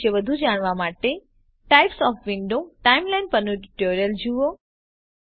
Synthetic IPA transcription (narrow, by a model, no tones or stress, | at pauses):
eʋəd̪ʱud͡ʒaɳ̃ʋamaʈe | ʈajpsɔfʋɪɳɖoʈaimlajnpəɾnuʈiʈoɾijəld͡ʒuo